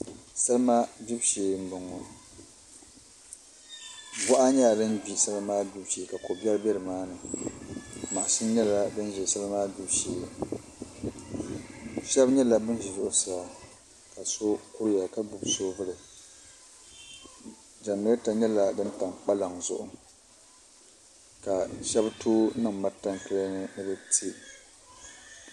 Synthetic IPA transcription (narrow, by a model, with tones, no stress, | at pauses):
sa˦lmaː˦bi˦bʃeː˨m̩˦bɨ˨ŋɔ˨ | bʊ˦ʔa˦ɲa˦˨dɨ˦nbi˦sa˦lɨ˦maː˦bi˦bʃeː˨ka˨ko˨bɛ˦ɾbɛ˦ɾɨ˨maː˦nɨ˨ | ma˨ʔsɨ˦ɲɛ˦la˦bɨ˦n˦ʒɛ˨sa˦lɨ˦maː˦bi˦bʃeː˨ | ʃɛ˦bɲɛ˦la˨bɨ˦n˦ʒɛ˨zʊ˦ʔʊ˨sa˦a˨ | ka˨so˦kʊ˦ɾja˨ka˦bu˨bsoː˦vɨ˦lɨ˨ | d͡ʒa˨nɨ˦ɾta˨ɲɛ˦la˦dɨ˦nta˨ŋk͡pa˦la˨ŋzʊ̰˦ʔʊ˦ | ka˨ʃɛ˦btʰuː˦nɨ˦˨ŋma˦ta˦ŋkɨ˦ɾa˦nɨ˦nɨ˦bɨ˦ti˦